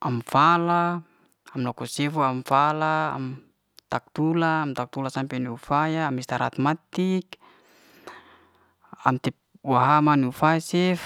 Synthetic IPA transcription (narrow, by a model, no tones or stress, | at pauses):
amfala | amlɔkɔsɛfuamfala̰ːm | t̪ak̚t̪ulaːmt̪ak̚t̪ulasampɛniufajaːmist̪aɾa̰t̪mat̪ik | a̰mt̪ɛp̚ | waɦamaniufaasɛf